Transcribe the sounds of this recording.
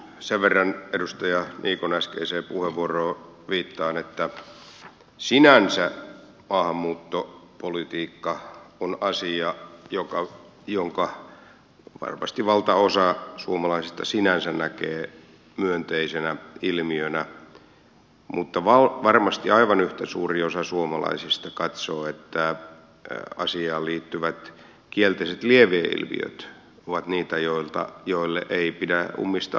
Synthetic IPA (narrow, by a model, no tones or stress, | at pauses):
seʋʋerːɑnedust̪ɑjɑnʔiːkonæskḛiseːpuheʋːuoroːʋiːt̪ːɑːnet̪ːæ | sinænsæ | mɑːhɑmːuːt̪ːopolit̪iːkːɑonɑsiɑjokɑ | joŋkɑ | ʋɑ̰rmɑ̰st̪iʋɑlt̪ɑosɑsuomɑlɑisist̪ɑsinænsænækeː | myønt̪eisenæilmiønæ | mut̪ːɑʋɑlʋɑrmɑst̪iɑiʋɑnyht̪æsuːriosɑsuomɑlɑ̰isist̪ɑkɑt̪soːet̪ːæ | ɑ̰siɑːlliːt̪ːyʋæt̪ | kielt̪eiset̪lieʋeːḭlmḭø̰t̪ | oʋɑt̪niːt̪æjoilt̪ɑ̰joilːeʔeipidæṵmːist̪ɑ̰